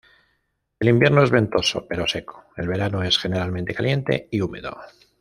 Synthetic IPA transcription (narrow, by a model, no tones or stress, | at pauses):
e̞limbje̞ɾno̞ezβẽ̞nt̪o̞so̞̰pe̞ɾo̞se̞ko̥e̞̰lβe̞ɾanoe̞sxe̞ne̞ɾalmẽnt̪e̞kalje̞nt̪e̞̰iume̞ðo̞̰